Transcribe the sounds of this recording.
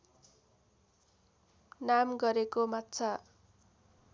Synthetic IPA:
namɡʌɾekomat̪ːt͡sʰʌ

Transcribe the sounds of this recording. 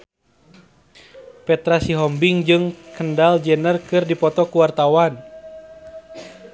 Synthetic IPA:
pɛt̪ɾasiɦɔmbiŋd͡ʒɨŋkəndald͡ʒɛnərkɨrdipɔt̪ɔkuwart̪awan

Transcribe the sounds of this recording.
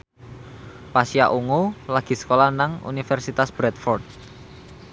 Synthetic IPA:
pasiaʔuŋolaɡ̥i̤sə̥kolanaŋṵnifɛrsit̪asb̥ɾɛt̪fɔrt̪̚

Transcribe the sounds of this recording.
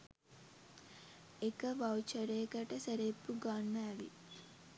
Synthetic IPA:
ekəʋawt͡ʃəɾeːkəʈəsəɾepːuɡanːəæʋḭ

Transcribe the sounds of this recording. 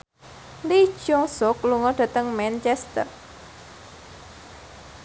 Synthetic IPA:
li̥ʒ̥ɔŋsɔkluŋɔɖ̪̥a̤t̪əŋmɛnt͡ʃɛst̪ər

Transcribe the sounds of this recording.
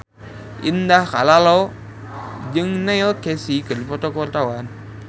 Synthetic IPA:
ḭndakalalo | d͡ʒəŋnajokesikəlipɔtokoɾtawan

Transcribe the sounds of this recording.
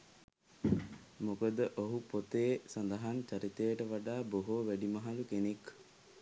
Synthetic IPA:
mokəd̪əʔoɦupot̪eːsand̪ɐɦant͡ʃaɾit̪ejəʈəʋaɖaːboɦoʋæɖimɐɦalukenek

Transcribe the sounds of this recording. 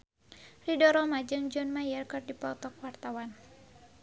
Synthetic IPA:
ridɔɾɔmad͡ʒɨŋd͡ʒɔnmajərkərdipɔt̪ɔk̚wart̪awan

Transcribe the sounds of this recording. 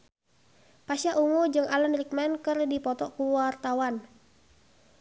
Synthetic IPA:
pasaʔuŋud͡ʒɨŋalanrik̚mɛnkərdipɔt̪ɔkuwart̪awan

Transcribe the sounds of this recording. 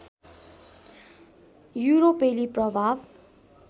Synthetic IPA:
juɾopeliprʌbʱab

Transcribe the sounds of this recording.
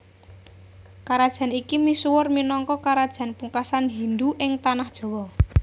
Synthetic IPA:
kaɾad̥ʒ̥a̤nikimisuwʊrminɔŋkɔkaɾad̥ʒ̥ä̤npuŋkasanɦind̪uʔɪŋt̪anahd̥ʒ̥ɔ̤wɔ

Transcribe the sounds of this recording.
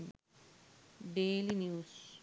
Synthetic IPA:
ɖeːlinjuːs

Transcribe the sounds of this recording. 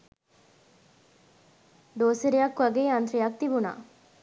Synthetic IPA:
d̪oːseɾijɐkːʋɐɡeːɐnt̪ɾijɐk̚t̪ibuna̰ː

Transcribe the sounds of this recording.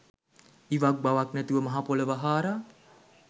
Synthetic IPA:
iʋak̚bawak̚nət̪uʋəmaɦapoləʋaɦaːɾa

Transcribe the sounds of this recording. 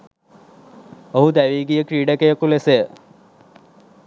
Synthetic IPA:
oɦud̪æʋiːɡijəkɾiːɖəkejəkuleseə

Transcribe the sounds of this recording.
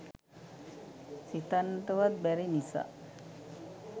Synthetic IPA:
sit̪anʈəʋat̪̚bɛɾinisa̰

